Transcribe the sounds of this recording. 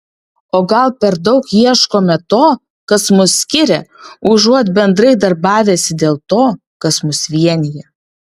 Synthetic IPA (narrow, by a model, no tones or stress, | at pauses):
oːɡɐlˠpʲɛɾd̪ɐʊkjiɛʃkoːmʲɛt̪oː | kɐsmʊsːʲkʲɪɾʲɛʊʒuɔt̪ʲbʲɛnd̪ɾɐɪd̪ɐɾbɑːʋʲeːsʲɪd̪ʲeːlˠt̪oː | kɐsmʊsʋʲiɛnʲɪjɛ